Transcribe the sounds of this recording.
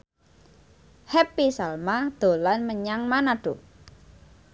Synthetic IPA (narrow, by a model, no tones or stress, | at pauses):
hɛpisalmad̪̥o̤lanməɲaŋmanaɖ̥o